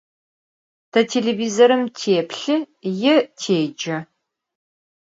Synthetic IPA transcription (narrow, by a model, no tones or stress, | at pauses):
tʰɐtʰeɮeviːzɐɾɨmtʰeːpʰɬɨ | jɪtʰeːd͡ʒɐ